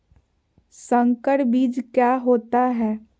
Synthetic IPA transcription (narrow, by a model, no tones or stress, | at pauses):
sə̃ŋkəʈbiːd͡ʒkjaːɦoːt̪aɦɛː